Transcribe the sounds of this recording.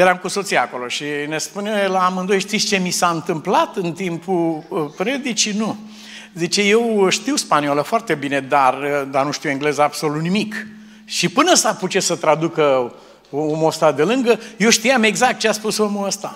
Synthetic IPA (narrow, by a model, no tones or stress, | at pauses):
jeɾamkuso̞t̪siako̞lo̞ʃine̞spunelaamɨnd̪ojeʃt̪it̪st͡ʃe̞misaɨnt̪ɨmplat̪ɨnt̪impupɾe̞d̪it͡ʃinu | zit͡ʃe̞je̞wʃt̪iwspanioləfoart̪e̞bine̞d̪ard̪anuʃt̪iweŋɡle̞zəab̥so̞lut̪nimik | ʃipɨnəəsaput͡ʃesət̪ɾad̪ukə | oomost̪ad̪e̞lɨŋɡəjewʃt̪ijame̞ɡzak̚t̪̚t͡ʃeaspusomuəst̪a̰